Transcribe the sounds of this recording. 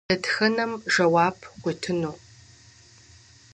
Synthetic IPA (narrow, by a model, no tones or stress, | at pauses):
ɐtxɐnɐmʒɐwaːbʰqʷitʰɨnuː